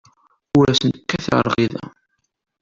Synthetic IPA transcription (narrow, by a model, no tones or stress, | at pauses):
ʊɾæsənt̪ə̥kːæθʕə̰ɾˤʁiðæ̰